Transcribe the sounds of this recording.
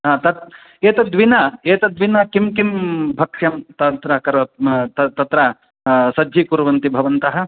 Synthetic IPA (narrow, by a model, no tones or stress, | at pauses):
ɦaːt̪ɐt̪ | eːt̪ɐd̪ʋinɐeːt̪ɐd̪ʋinɐkimkimbʱɐkʂɐmt̪ɐt̪ɾɐkɐɾʋɐt̪ɐt̪ɐt̪ɾɐ | sɐd̪ʱjikuɾʋɐnt̪ibʱɐʋɐnt̪ɐɦɐ̆